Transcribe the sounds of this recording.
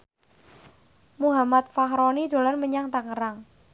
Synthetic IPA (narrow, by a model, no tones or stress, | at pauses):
muɦamat̪̚faɦɾɔnid̪̥o̤lanməɲaŋt̪aŋəɾaŋ